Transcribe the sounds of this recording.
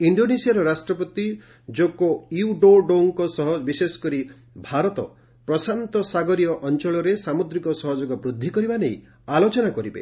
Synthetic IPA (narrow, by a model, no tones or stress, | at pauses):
iɳɖonesiaɾɔɾasʈɾɔpɔt̪i | d͡ʒokoiuɖoɖoŋkɔsɔɦɔbisesɔ̥kɔɾi | bʱaɾɔt̪ɔ̰ | pɾɔsant̪ɔsaɡɔɾijɔʔɔnt͡ʃɔɭɔɾesamud̪ɾikɔsɔɦɔd͡ʒɔɡɔbɾud̪ʱːikɔɾibanej | alot͡ʃɔnakɔɾibḛ